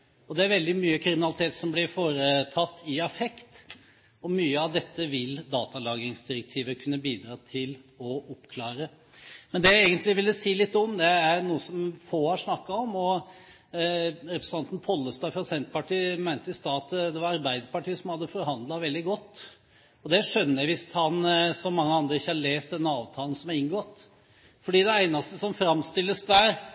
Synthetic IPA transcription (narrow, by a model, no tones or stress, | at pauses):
ɔd̪ɛæɾʋɛld̪ɪmyːəkʰɾɪmɪnɑlɪt̪ʰeːt̪sɔmblɪɾfoːɾət̪ʰɑt̪ːɪɛfɛkt̪ | ɔmyːəɑʋd̪ɛt̪ːəʋɪld̪ɑːt̪ɑlɑːɡɪŋsd̪ɪɾək̚t̪ʰiːʋəkʰʉnːəbiːd̪ɾɑːt̪ʰɪlɔɔpkʰlɑːɾə | mɛnd̪ɛeːɡənt̪lɪʋɪlːəsiːlɪt̪ːɔmd̪ɛæɾnuːəsɔmfoːhɑʂnɑkːɑɔmɔ | ɾɛpɾəsɑnt̪n̩pʰɔlːəst̪ɑːfɾɑsɛnt̪pɑʈiːmæɪnt̪əɪst̪ɑːt̪d̪ɛʋɑɾɑɾbæɪd̪əɾpɑʈʰiːəsɔmhɑd̪ːəfɔɾhɑnd̪lɑʋɛld̪ɪɡɔt̪ː | ɔd̪ɛʂœnːəæʋɪshɑnsɔmɑŋːəɑnd̪ɾəɪçːəhɑɭeːst̪̚d̪ɛnːəɑːʋt̪ʰɑːlən̩sɔmæɾɪŋɡɔt̪ː | fɔɖiːd̪ɛæɪnɑst̪əsɔmfɾɑmst̪ɪlːəsd̪æɾ